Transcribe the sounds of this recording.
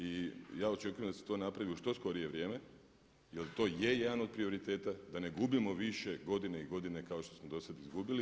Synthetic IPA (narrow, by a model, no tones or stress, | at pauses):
ijaːo̞t͡ʃe̞kujemd̪aset̪o̞ːnapɾaʋioʃt̪o̞sko̞ɾije̞ʋɾjeːme̞ | jelt̪o̞ːje̞jed̪ano̞d̪̚pɾio̞ɾit̪e̞ːt̪ad̪ane̞ɡubimo̞ʋiʃe̞ɡo̞d̪ineiɡo̞d̪ine̞kao̞ʃt̪o̞smod̪o̞sad̪izɡubili